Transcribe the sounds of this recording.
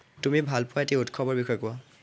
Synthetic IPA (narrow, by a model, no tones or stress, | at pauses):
tumibʱalpʊwaetiutkʰɔbɔɹbixɔjkʊa